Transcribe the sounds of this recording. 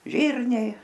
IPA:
ˈʒʲiːrʲnʲɛɪ

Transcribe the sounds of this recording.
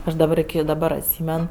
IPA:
ˈɐʃ dɐˈbɐr ɪkʲɪ dɐˈbɐr ɐtʲˈsʲiːmʲɛn

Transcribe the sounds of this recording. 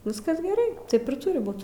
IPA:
ˈʋʲɪskɐs ɡʲɛˈrɐɪ ˈtɐɪp ɪr ˈtʊrʲɪ ˈbuːt

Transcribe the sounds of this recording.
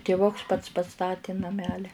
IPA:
tʲɪˈʋʊks ˈpɐts pɐˈstɑːtʲɪ nɐˈmʲæːlʲɪ

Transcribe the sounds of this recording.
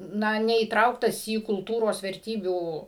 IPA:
ˈnɐ nʲɛiːˈtrɐʊktɐs iː kʊlˠˈtuːroːs ʋʲɛrʲˈtʲiːbʲuː

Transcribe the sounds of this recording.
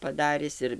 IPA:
pɐˈdɑːrʲɪs ˈɪr

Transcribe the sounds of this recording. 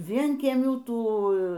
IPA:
ˈʋʲiɛŋʲkʲiɛmʲuː ˈtuː

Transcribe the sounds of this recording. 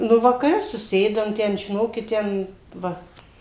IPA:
ˈnʊ ʋɐkɐˈrʲɛ sʊˈsʲeːdɐm ˈtʲɛn ʒʲɪˈnoːkʲɪt ˈtʲɛn ˈʋɐ

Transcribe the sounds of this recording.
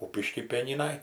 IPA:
ˈkuːpʲɪʃʲkʲiː ˈpʲiɛnʲɪnɐj

